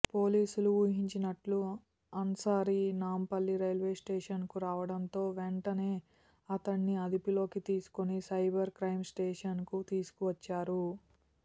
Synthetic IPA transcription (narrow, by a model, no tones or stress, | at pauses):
po̞ːliːsuluuːɦiɲt͡ʃinɐʈlu | ɐnsaːɾinaːmpɐlːiɾɐjlʋe̞ːsʈeːʂɐnkuɾaːʋɐɽɐnt̪o̞ːʋeɳʈɐne̞ː | ɐt̪ɐɳːiɐd̪ipilo̞ːkit̪iːsu̥konisɐjbɐɾkɾɐjmsʈeːʂɐnkut̪iːsu̥kuʋɐt͡ʃːaːɾu